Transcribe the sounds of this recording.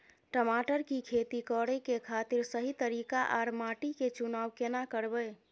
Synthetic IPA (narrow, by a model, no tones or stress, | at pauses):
ʈəmaʈəɾkikʰet̪ikɔɽɛkekʰat̪iɾsəɦit̪əɾikaʔaɾmaʈiket͡ʃunaːwkenakəɾbəɪ